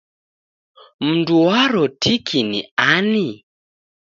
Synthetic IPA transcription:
m̩nduwaɾɔtikʰinḭani

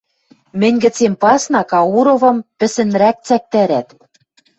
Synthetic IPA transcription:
mɘ̆nʲɡɘ̆t͡sempɑsnɑkɑuɾovɤ̆mpɘ̆sɘ̆nɾæk̚t͡sæk̚t̪æɾæt̪

